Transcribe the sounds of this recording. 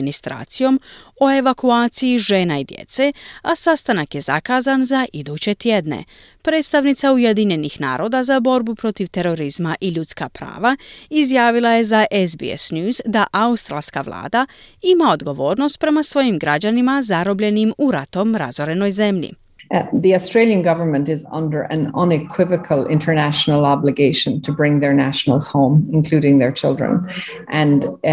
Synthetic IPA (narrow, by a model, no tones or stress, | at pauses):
nist̪ɾa̰ːt̪sijo̞mo̞e̞ʋakuaːt̪sijiʒe̞ːnaid̪jḛt̪se̞asast̪anakje̞za̰kaːzanzaʔid̪uːt͡ɕe̞t̪jed̪ne̞̰ | pɾe̞ːt̪st̪aʋnit̪sauje̞d̪iɲe̞nixna̰ːɾo̞ːd̪azabo̞ɾbupɾo̞t̪iʋt̪e̞ɾo̞ɾizmaʔiʎut̪ska̰pɾa̰ːʋaizjaːʋilˠaje̞zaʔezbḭḛsnuzd̪aʔaust̪ɾa̰lˠska̰ʋlˠa̰ːd̪aimao̞d̪ɡo̞ʋo̞ːɾno̞st̪̚pɾe̞masʋo̞jimɡɾad͡ʑanimazaɾo̞bʎe̞nimuɾat̪omɾazoɾe̞no̞jze̞mʎḭ | ðiɔstɹ̥eɪlˠjə̃nɡʌvə˞mə̃ntɪzʌ̰̃ndə˞ʔɨ̰̃nə̃nɪkʰw̥ɪvəkʰəlˠɪ̃ntʰə˞næʃnəl̩ˠɑblɨɡeɪʃə̃ntʰəbɹɪ̃ŋðə˞næʃnəl̩ˠz̥hõʊ̃mɪ̃nkʰl̥uɾɪ̃ŋðə˞t͡ʃʰɪlˠdɹə̰̃n | ʔɨ̃n